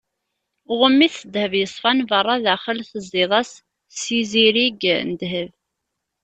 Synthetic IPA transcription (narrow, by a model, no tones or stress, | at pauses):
ʁəmːiθəd̪həvjəsˤfɑnvərˤːɑðæχəlθəzˤɪðˤɑs | siziɾiɡnəd̪ɦəv